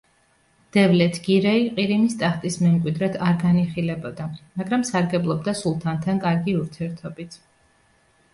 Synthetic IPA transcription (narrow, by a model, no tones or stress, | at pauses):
d̪̥ɛvlɛt̪ʰɡ̥iɾɛiqʼiɾimist̪ʼaχt̪ʼismɛmkʼwid̪ɾɛt̪ʰaɾɡaniχilɛbɔd̪amaɡɾamsaɾɡɛblˠɔb̚d̪asulˠt̪ʰant̪ʰankʼaɾɡiuɾt̪ʰiɛɾt̪ʰɔbit̪ʰ